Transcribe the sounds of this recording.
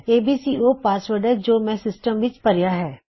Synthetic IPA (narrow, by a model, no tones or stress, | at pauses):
eːbiːsiːoːpaːsʋəɾɖɦɛd͡ʒoːmɛ̃sɪsʈəmʋɪt͡ʃpɐɾjaɦɛː